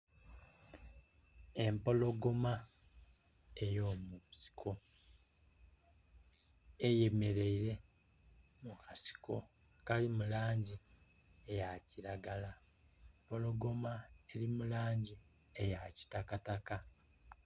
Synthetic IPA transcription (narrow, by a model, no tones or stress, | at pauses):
e̞mpo̞lo̞ɡo̞ma | e̞jo̞ːmusi̥kʰo̞ | ejeme̞ɾe̞iɾe̞ | mukʰasi̥ko̞ | kalimulaːɲɟi | ejaciɾaɡala | mpo̞lo̞ɡo̞mae̞limulaːɲɟi | ejaci̥takataka